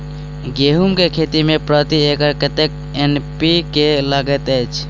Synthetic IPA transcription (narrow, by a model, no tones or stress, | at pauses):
ɡeɦumkekʰet̪imepɾət̪iekəɾkət̪ek̚ | enpikeləɡət̪ət͡ʃʰ